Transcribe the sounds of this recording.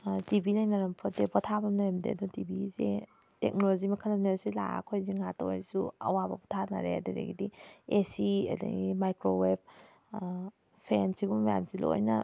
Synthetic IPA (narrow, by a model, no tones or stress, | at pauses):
tibinajnaɾampʰɔdebɔtʰabɐmajɐmdḛɐdɔtibizḛ | tek̚nolozimɐkʰananeɾsila̰kʰojzeŋata̰wa̰jsuɐ̰wabɐbɔtʰana̰ɾḛadadḛɡidiesiɐ̰dɐ̰ɡimajkɾoweb̚ | pʰensiɡummaja̰msilo̰jnɐ